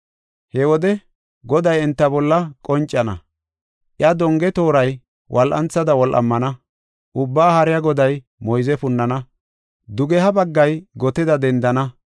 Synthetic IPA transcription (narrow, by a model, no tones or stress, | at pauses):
hɛwɔd̪ɛ | ɡɔd̪ɐjɛnt̪ːɐbɔlːɐkʼɔnt͡ʃʼːɐnɐ̰ | ʔjɐd̪ɔŋɡɛt̪oːɾɐj | wʔɐlʔɐ̰nt͡sːɐd̪ɐwɔlʔɐ̰mːɐnɐ | ʔʊbːaːhɐɾɪjɐɡɔd̪ɐj | mɔjzɛfʊnːɐnɐ | d̪ʊɡɛɦɐbɐɡːɐjɡɔt̪ɪd̪ɐd̪ɛnd̪ɐnɐ